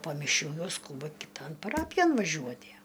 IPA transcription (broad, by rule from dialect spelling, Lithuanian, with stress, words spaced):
poː mʲɪˈʃʲuː ˈjɛʊ ˈskuːbɐ kʲɪˈtoːn pɐˈrɑːpʲɪjoːn ʋɐˈʒʲuɔtʲiɛ